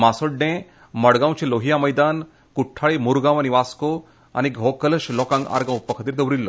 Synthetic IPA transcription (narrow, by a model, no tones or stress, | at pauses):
masoɖẽ | məɽɡãw̃t͡ɕeloɦijaməjd̪an | kuʈʰːaɭimuɾɡãʋañiʋasko | a̰ñiɡʱɔkələɕlɔkãŋɡa̰ɾɡãupːəkʰət̪iːɾd̪əʋɾilːə